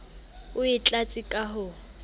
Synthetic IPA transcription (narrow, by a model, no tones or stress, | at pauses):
ʊɪt͡ɬʼat͡sʼɪkʼaɦʊ